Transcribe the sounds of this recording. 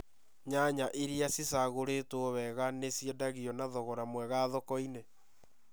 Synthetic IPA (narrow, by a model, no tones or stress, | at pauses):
ɲaɲaʔeɾiasisaɣoɾetoβɛɣanesjɔdaɣiɔnaðɔɣɔɾamwɛɣaðɔkɔine